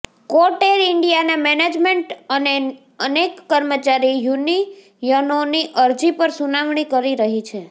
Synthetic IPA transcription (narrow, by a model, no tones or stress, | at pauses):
koʈeɾɪɳɖijanamɛned͡ʒmeɳʈəne | ənekːəɾmət͡ʃaɾijuni | jənoniʔəɾd͡ʒipəɾsunaʋɳikəɾiɾəɦit͡ʃʰe